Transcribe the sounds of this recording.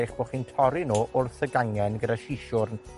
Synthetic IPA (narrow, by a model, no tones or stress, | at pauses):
ɪχb̥oːχiːntʰɔɾɪnoːʔʊrθəɡaŋɛnɡədaʃiʃʊrn